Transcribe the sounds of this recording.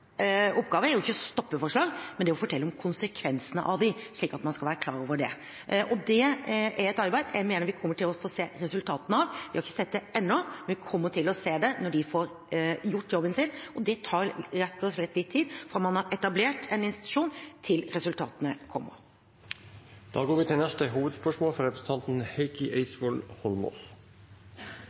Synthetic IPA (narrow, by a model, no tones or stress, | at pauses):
ɔpːɡɑːʋəæɾjʊɪçːəst̪ɔpːəfɔʂɭɑːɡmɛnd̪ɛɔfɔʈʰɛlːəɔmkʰʊnsəkʰʋɛnsənə̰ʔɑʋd̪ɪʂɭiːkɑt̪mɑnskɑlʋæːɾəkʰlɑ̰ːɾoːʋəɖɛ | ʔɔd̪ɛæɾɛt̪ɑɾbæɪd̪jæɪmeːnəɾʋɪkʰɔmːəʈʰɪlɔfoːseːɾɛsʉlt̪ʰɑːt̪ənəɑʋʋɪhɑɾɪçːəsɛt̪̚d̪ɛʔɛnːɔmɛnʋɪkʰɔmːəʈʰɪlɔseːd̪ɛnɔɖɪfoɾ | jʊʈːjɔbːənsɪnɔd̪ɛt̪ʰɑːɾɾɛt̪ːɔslɛt̪ːlɪt̪ʰːiːd̪fɔɾɑt̪mɑnhɑɾɛt̪ɑbleːʈɛnɪnst̪ɪt̪ʉ̥ʂuːnt̪ʰɪlɾɛsʉlt̪ʰɑ̰ːt̪ənəkʰɔmːɔ̰ | d̪̥ɑ̰ːɡoːɾʋɪːt̪ʰɪlnɛst̪əɦuːʋəd̪spœʂmoːlfɾɔɾɛpʰɾəsən̩t̪ʰɑnt̪n̩heɪkɪʔeɪsʋɔlhɔlmɔ̰ːs